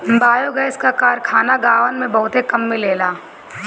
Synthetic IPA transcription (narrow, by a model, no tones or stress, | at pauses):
baːjoɡɛːskakaːɾkʰaːnaɡaːʋənmẽbɐɦʊt̪ekɐmːeleːlaː